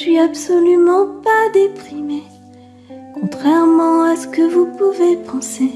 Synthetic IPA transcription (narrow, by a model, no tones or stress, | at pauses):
sɥiabsɔlymɑ̃pad̪epχime | kɔ̃t̪χɛʁmɑ̃asə̥kəvupuvepɑ̃se